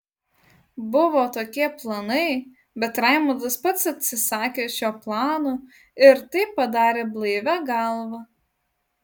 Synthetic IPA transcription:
bʊʋoːt̪oːkʲiɛplˠɐnɐɪ | bʲɛt̪ɾɐɪmod̪ɐspɐt̪sɐt̪ʲsʲɪsɑːkʲeːʃʲoːplˠɑːnoː | ɪɾt̪ɐɪpːɐd̪ɑːɾʲeːblˠɐɪʋʲæɡɐlˠʋɐ

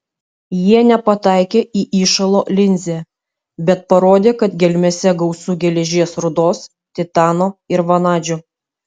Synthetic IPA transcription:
jiɛnʲɛpɐt̪ɑˑɪkʲeːʔiːʔiːʃɐlˠoːlʲɪnʲzʲe | bʲɛt̪̚pɐɾoːd̪ʲeːkɐt̪ɡʲɛlʲmʲɛsʲɛɡɒʊsuːɡʲɛlʲɛʒʲiɛsɾʊd̪oːs | t̪ʲɪt̪ɑːnoːɪɾʋɐnɑːd͡ʒʲʊ

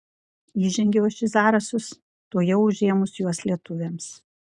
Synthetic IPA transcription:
iːʒʲɛŋʲɡʲɛwʃʲɪsɑːɾɐsʊs | t̪oːjɛʊʊʒʲeːmʊsjuɔslʲiɛt̪ʊʋʲeːms

